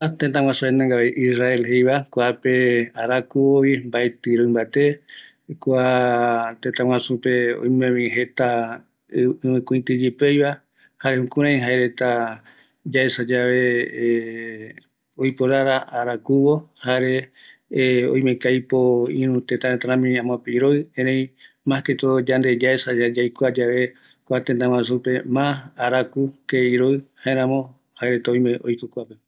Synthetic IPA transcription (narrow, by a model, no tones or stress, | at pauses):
t̪ẽt̪ãw̃ãsuenãŋɡaβeʔisraelɦejβakʷapeaɾakuβoβimbaet̪ɨɾõĩmbat̪e | kʷa | t̪ẽt̪ãwãsupeo̰jmẽmĩɦe̞t̪a | ɨmɨ̃kʷĩĩt̪ɨd͡ʒipejβa | haɾehũkũɾ̃ãj̃ɦaeɾet̪a | d͡ʒaesad͡ʒaβe̞ | ojpoɾaɾaʔaɾakuβo̞haɾe̞ | õ̰j̃mẽkajpoḭ̃ɾũt̪et̪ãɾet̪aɾãmĩãmwãpeiɾoɨẽɾẽj̃ | mãket̪od͡ʒãnd̪e̞d͡ʒaesad͡ʒad͡ʒajkʷad͡ʒaʋe̞ | kʷat̪ent̪ãw̃ãsupe̞mãhaɾakukeiɾoɨhaeɾãmõ | haeɾe̞t̪aoj̃mẽʔo̰jkokʷape̞